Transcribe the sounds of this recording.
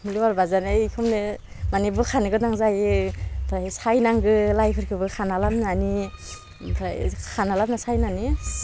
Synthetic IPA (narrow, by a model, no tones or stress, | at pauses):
mliwaɾbazanejkʰɯmne | manibɯkʰanɯɡɯdaŋzajɯpʰɾajsajnaŋɡɯlajpʰɯɾkʰɯbɯkʰanalamnani | bʰɾa̰jkʰanalam̚nasajnani